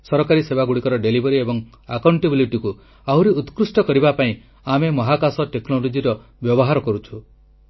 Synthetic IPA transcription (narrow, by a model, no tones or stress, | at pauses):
sɔɾɔkaɾisebaɡuɽikɔɾɔɖelibɔɾiebɔŋ | akawɳʈebiliʈiku | aɦwɾiut̪kɾusʈɔkɔɾibapaĩ | amemɔɦakasɔʈeknolod͡ʒiɾɔ | bjɔbɔɦaɾɔkɔɾut͡ʃʰu